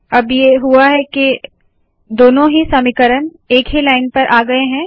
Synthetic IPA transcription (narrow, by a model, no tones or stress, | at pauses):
ɐbjeɦuaɦɛke | d̪oːnõɦisɐmɪkəɾən | eːkɦilaːɪnpɐɾʔaːɡɐeɦɛ̃ː